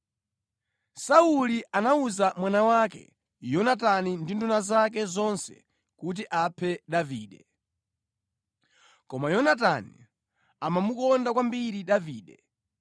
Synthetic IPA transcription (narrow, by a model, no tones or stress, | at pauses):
sauliʔanauzamwanawaːkɛ̰ | jɔnatanindindunazak̬ɛzɔnsɛ̰ | kut̬iʔapʰɛɗaviːɗɛ | kɔmajɔnatani | amamukɔndakwambiɾiɗaviːɗɛ